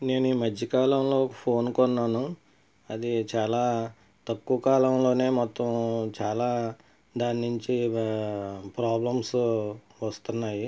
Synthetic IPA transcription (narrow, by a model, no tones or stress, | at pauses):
ne̞ːnuiːmɐd͡ʒːɐkaːlɐmlo̞ːkpʰo̞ːnkɔnːaːnu | ɐd̪it͡ʃaːlaː | t̪ɐkːuːɐkaːlɐmlo̞ːne̞ːmɔt̪ːɐmt͡ʃaːlaː | d̪aːninuɲt͡ʃi | pɾaːblɐms | ʋɐst̪unːaːji